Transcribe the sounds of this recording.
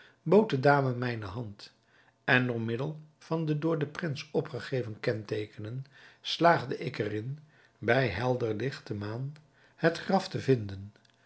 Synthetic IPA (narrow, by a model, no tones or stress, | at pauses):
bowt̚dədaːməmɛjnəɦɑnt | ɛnɔmɪdəlˠv̥ɑndədʊːɹdəprɪnsɔpχəχejvənkɛntejkənənslaːχdəʔɪkərɪn | bɛjɦɛlˠdəɹlɪχtəmaːn | hətχrɑftəvɪndən